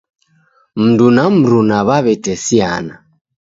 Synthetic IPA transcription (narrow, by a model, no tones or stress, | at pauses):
m̩ndunam̩ɾunaβaβɛtɛsia̰na